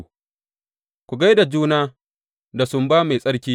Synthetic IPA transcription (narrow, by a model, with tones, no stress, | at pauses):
kʷu˨ɡa˦jda˨d͡ʒuː˦naː˦ | da˨sʊ˨mbaː˦ma˨jsʼɐ˦ɽkʲiː˦